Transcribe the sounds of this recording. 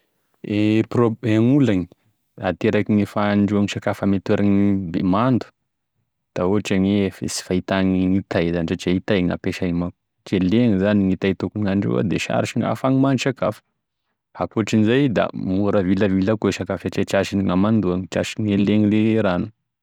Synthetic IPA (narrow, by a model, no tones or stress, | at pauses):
eprobemulaŋi | at̪eɾakiŋifaɳɖ͡ʐuaŋiʃakafamet̪eɾʔaŋibemand̪u̥ | d̪̥aoaʈ͡ʂaŋefḛsi̥fait̪aŋiŋit̪ajzanizat͡ʃait̪ajŋa̰peʃanimaku | t͡ʃeleŋizaniŋit̪ajt̪ukunaɳɖ͡ʐṵa̰d̪eʃa̰ɾiʃiŋa̰faŋimanʃakafə̥ | hakuaʈ͡ʂinizajd̪a̰muɾəviləvilakoeʃakafaʈ͡ʂet͡ʃaʃiniŋamand̪uaŋit͡ʃaʃiŋeleŋileɾanu̥